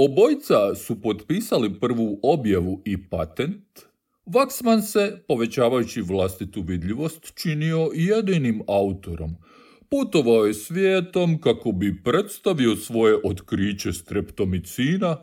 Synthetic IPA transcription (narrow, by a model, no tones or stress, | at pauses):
obo̞jt̪sasupo̞t̪piːsalipr̩ʋuʔo̞bjaʋuipat̪e̞nt̪ | ʋaksmanse̞po̞ʋe̞t͡ɕaːʋajut͡ɕiʋlˠast̪it̪uʋid̪ʎiʋo̞st̪t͡ʃinio̞ʔijed̪inimaut̪o̞ɾo̞m | put̪o̞ʋaoje̞sʋjeːt̪o̞mkako̞bipɾe̞t̪st̪aʋio̞sʋo̞je̞ʔot̪kɾiːt͡ɕe̞st̪ɾept̪o̞mit̪siːna